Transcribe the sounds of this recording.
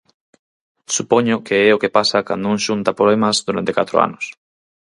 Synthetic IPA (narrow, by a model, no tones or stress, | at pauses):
supɔɲʊkeɛokepasaka̰nd̪oũŋʃunt̪apɾoemɐzðuɾant̪ekat̪ɾo̰a̰nʊs